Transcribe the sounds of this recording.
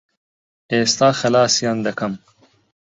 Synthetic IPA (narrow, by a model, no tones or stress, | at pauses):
eːst̪aːxɐlaːsjand̪ɐkʰɐm